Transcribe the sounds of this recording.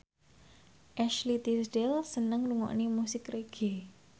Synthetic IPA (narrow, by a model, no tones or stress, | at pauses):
ʔɛʃlit̪isɖɛlsənəŋluŋɔ̰ʔnimusɪkreɡ̥e